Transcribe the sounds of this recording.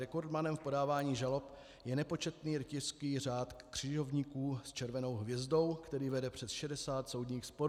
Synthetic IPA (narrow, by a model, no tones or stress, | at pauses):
ɾɛko̞ɾd̪manɛmfpo̞daːvaːɲiːʒalo̞p | jɛnɛpo̞t͡ʃɛt̪niːɾɪcɪrskiːr̝aːt̪kr̝̥ɪʒo̞vɲiːkuːst͡ʃɛɾvɛno̞wɦvjɛzdo̞wkt̪ɛɾiːvɛdɛpr̝̥ɛsʃɛdɛsaːt̪so̞wdɲiːxspo̞ɾ